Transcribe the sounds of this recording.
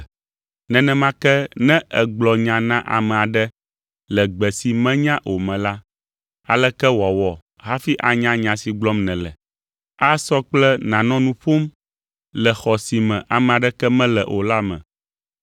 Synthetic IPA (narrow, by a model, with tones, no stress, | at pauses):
nɛ̃˨nɛ̃˦mã˦kɛ˦nɛ̃˦ɛ˨ɡ͡blɔ˨ɲã˨nã˦ʔa̰˨mɛ̃˨a˨ɖɛ˦ | lɛ˨ɡ͡bɛ˨si˨mɛ̃˦ɲã˦ʔo˨mɛ̃˨la˦ | a˨lɛ˦kɛ˦wa˨wɔ˨ | ɦa˦fi˦ʔa˨ɲã˦ɲã˨si˨ɡ͡blɔ˦mnɛ̃˨lɛ˨ | a˦sɔ˦k͡plɛ˦nã˨nɔ̃˦nũ˦ɸo˦m | lɛ˨xɔ˨si˨mɛ̃˨ʔa˨mɛ̃˨a˨ɖɛ˦kɛ˦mɛ̃˦lɛ˨ʔo˨la˦mɛ̰̃˨